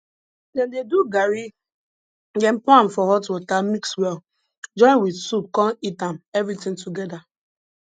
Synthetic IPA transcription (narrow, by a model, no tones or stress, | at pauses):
dɛndeduɡaɾi | ɡɛ̃m̩pãm̩fɔɦɔtɔtamikswɛl | d͡ʒɔ̃ɪ̃nwidsup̚kɔ̃nitãmɛvɾitɪ̃ŋtuɡɛda